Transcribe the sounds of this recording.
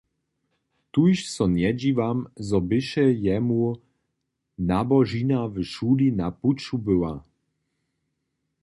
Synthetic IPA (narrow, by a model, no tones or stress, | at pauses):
t̪ujʃsɔnjɛd͡ʑivamzɔbɪʃɛjɛmu | nabɔʒinavʃulinaput͡ʃubəwa